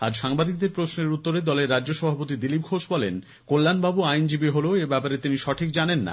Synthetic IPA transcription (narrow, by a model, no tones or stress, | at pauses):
a̰ɾʃaŋbad̪ik̚d̪eɾpɾosneɾut̪ːoɾed̪ɔleɾːad͡ʑoʃɔbʱapot̪id̪ilip̚kʰoʃbɔlḛn | kolːanbabuajnd͡ʑibiɦoloebɛpaɾet̪iniʃɔʈʰik̚d͡ʑanenːa̰